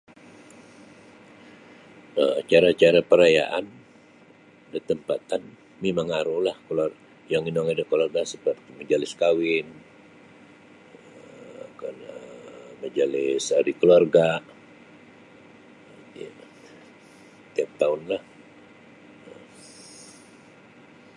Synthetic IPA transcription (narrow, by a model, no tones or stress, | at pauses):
ət͡ʃaɾat͡ʃaɾapəɾaja̰ʔan | dət̪əmpat̪an | memaŋaɾuhlahkəlar | jaŋinɔŋidəkəluarɡasəpərt̪iməd͡ʒalɪskawɪn | əa̰kanəməd͡ʒalɪsaɾikəluarɡa | ja | t̪iap̚t̪aʊnlah | ə